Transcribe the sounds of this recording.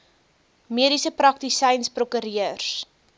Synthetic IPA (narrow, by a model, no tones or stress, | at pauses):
miəɾisəprɐk̚tisɛjnsprokəɾiərs